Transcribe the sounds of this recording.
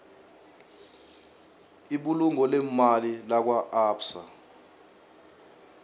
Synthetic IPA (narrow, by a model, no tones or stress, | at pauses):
iɓuluŋɔlɛmalilak̬waaːpsa̰